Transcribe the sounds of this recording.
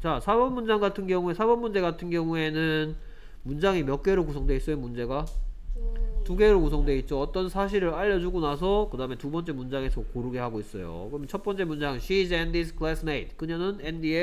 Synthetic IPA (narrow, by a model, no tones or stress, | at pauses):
t͡ɕasʰabʌnmund͡ʑaŋɡatʰɯnɡjʌŋue̞sʰabʌnmːund͡ʑe̞ɡatʰɯnɡjʌŋue̞nɯn | mund͡ʑaŋimjʌk͈̚e̞ɾokusʰʌŋdwe̞its͈ʌenmund͡ʑe̞ɡa | tuɡe̞ɾokusʰʌŋdwe̞it̚t͡ɕ͈oʌt͈ʌnsʰaɕ̬ʰiɾɯɾaʎːʌd͡ʑuɡonasʰʌkɯdaɯme̞tubʌnt͡ɕ͈e̞mund͡ʑaŋe̞sʰʌkoɾuɡehaɡois͈ʌjo̰kɯɾʌmjʌnt͡ɕʰʌt̚p͈ʌnt͡ɕ͈e̞mund͡ʑaŋɕʰid͡ʑendisʰkʰɯlasʰmeit̚k͈ɯɲʌnɯnendie